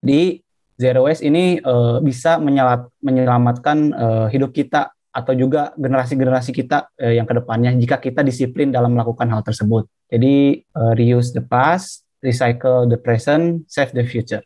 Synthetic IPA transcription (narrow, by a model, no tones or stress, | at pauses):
d͡ʒadi | zɛɾoɛsiniəbisaməɲəlatməɲəəlamat̪̚kanəɦidʊp̚kit̪a | at̪awd͡ʒuɡaɡənəɾas̬iɡənəɾas̬ikit̪aəjaŋkədəpanɲad͡ʒikakit̪adisiplɪndalaməlakukanɦalt̪ərsəbʊt̪̚d͡ʒadiərijusdəpas | risajkəldəpɾɛsənsɛfdəfjut͡ʃur